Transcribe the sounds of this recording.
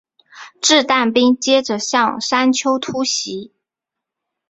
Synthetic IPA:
ʈ͡ʂɻ̩˥˧t̪a˥˩npi˥ŋt͡ɕjɛ˥ʈ͡ʂə˨ɕjɑ˥˩ŋʂa˥nt͡ɕʰjo˥ʊt̪ʰu˥ɕi˧˥

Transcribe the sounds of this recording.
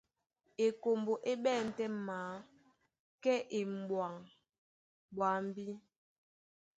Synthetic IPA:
e˨ko˨mbo˨ʔe˦ɓɛː˦˨n̩˨tɛ˦maː˨˦ | kɛ˦ʔe˨m˨bwa˨ŋ | ɓwa˨˦m˦bi˦

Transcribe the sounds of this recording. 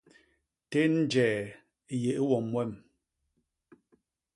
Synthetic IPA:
te˦n̩˦d͡ʒɛː˨˦ | je˨ʔwɔ˨mwɛ˦˨m

